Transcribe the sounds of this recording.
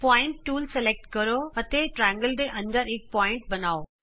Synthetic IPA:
pɔːɪ̃ɳʈːuːlseleːk̚ʈkɐɾoɦɐt̪eʈɾɛ̃ːŋɡəld̪eʔɐ̃nd̪əɾɪk̚pɔːɪ̃ɳʈ̚bɐnaːoː

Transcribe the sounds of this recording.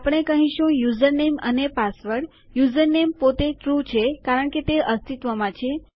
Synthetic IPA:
apɽ̃ekəɦĩʃũjuzəɾnemənepasʋəɽ | juzəɾnempot̪eʈɾut͡ʃʰekaɾəɳ̃ket̪eʔəst̪it̪ʋəmãt͡ʃʰe

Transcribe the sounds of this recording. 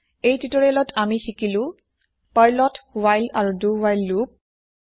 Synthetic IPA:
ejtutɔɹilɔtʰamisikilʊ̃ | paɹlɔtwajlaɹuduwajlːup̚

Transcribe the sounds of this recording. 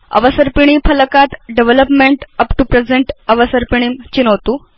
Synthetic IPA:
ə̰ʋəsəɾpiɽ̃iːfələkat̪ɖeʋeləpmeɳʈəpʈupɾed͡zeɳʈəʋəsəɾpiɽ̃imt͡ɕinəʋt̪u

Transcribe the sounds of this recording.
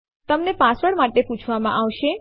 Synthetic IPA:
t̪əmnepãsʋəɽmaʈepũt͡ʃʰʋamã̰ʔaʋʃe

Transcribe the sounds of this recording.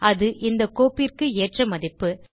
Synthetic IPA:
ɐðɯʔɪnd̪ɐkːoːpirkɯeːʈrɐmɐðɪpːɯ

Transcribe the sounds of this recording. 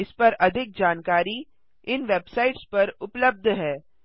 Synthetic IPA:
ɪspɐɾɐd̪ʱɪk̚d͡ʒaːnkaːɾi | ɪnʋeːbsaːɪʈspɐɾʊpləb̚d̪ʱɦɛː

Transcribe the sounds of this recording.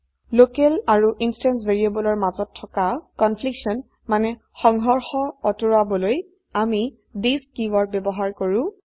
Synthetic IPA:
lokɛlaɹuʔinstansveɹiabɔlɔɹmazɔtʰːɔkakɔnpʰliksɔn | manɛ | xɔŋɦɔɹxɔɔtoɹabɔloj | ami | diskiwɔɹbjɛbɔɦaɹkoɹʊ̃

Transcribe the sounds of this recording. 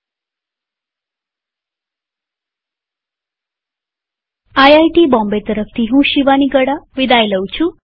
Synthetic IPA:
ajajʈiːbɔ̃mbet̪əɾəft̪ʰiːɦũːɕiʋaniɡəɽaʋid̪ajləwt͡ɕʰũ

